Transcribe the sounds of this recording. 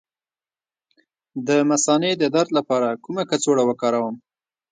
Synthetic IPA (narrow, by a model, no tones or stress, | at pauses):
d̪əmasɑned̪əd̪aɾd̪lapɑɾakumakat͡soɽawəkɑɾawəm